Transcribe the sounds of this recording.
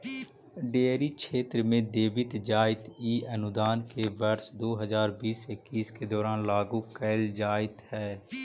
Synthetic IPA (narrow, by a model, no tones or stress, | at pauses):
ɖeːɾikʃʰeːt̪ɾəmẽd̪eːbɪt̪d͡ʒaːɪt̪iːənʊd̪aːnkebəɾʃd̪oːɦəzaːɾbiːsekiːsked̪ɔːɾaːnlaːɡukɛːɪld͡ʒaːɪt̪hɛː